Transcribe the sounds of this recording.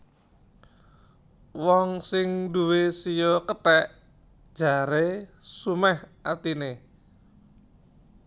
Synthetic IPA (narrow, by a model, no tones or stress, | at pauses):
wɔŋsɪŋduwesijɔkətɛʔ | d̥ʒ̥a̤ɾesumɛhʔat̪ine